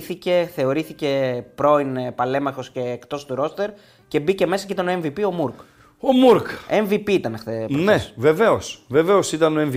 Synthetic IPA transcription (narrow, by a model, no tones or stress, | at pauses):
θice̞θe̞o̞ɾiθice̞pɾo̞inpɐle̞mɐxo̞sce̞ːkt̪o̞st̪uɾo̞st̪e̞ɾ | ce̞bice̞me̞sɐcit̪ɐno̞e̞ɱvipio̞muɾk | omuɾkeɱvipiit̪ɐnext̪eneve̞ve̞o̞sve̞ve̞o̞sit̪ɐno̞e̞ɱv